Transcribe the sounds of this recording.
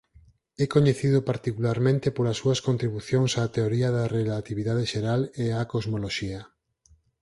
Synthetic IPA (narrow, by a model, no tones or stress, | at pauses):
ɛkoɲeθiðʊpaɾt̪ikulaɾmẽnt̪epolɐsːuɐskont̪ɾiβuθjoŋsaːt̪eoɾiɐðɐrelat̪iβiðað̞eʃeɾaleakozmoloʃiɐ